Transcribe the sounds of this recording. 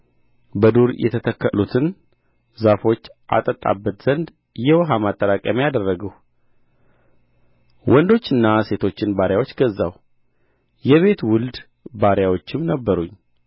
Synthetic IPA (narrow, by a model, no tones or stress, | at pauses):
bəd̪uɾjʔɛ̰t̪ʰət̪ʰəkːəlut̪ʰɨn | zafo̞t͡ʃːʔa̰t̪ʼət̪ʼːa̰bːət̪z̥ənd̪ | jɛwɔɦamat̪ʼːəɾakʼəmjad̪ərːəɡəw | wʔɔnd̪o̞t͡ʃːɨnːase̞t̪ʰo̞t͡ʃːɪnbaɾjawo̞t͡ʃːɡəzːa̰w | jɛβe̞t̪wʊld̪ | baɾjawot͡ʃːɪmnəbːəɾuɲː